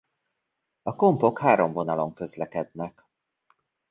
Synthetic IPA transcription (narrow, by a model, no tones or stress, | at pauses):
ɒko̞mpo̞khaːɾo̞ɱvo̞nɒlo̞ŋkø̞zlɛkɛd̪nɛk